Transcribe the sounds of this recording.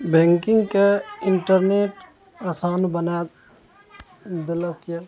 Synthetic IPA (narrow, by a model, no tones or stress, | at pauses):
bɛ̃ːŋkɪ̃ŋɡkeɪɳʈəɾneːʈ | asaːnbəna | d̪ɪləkja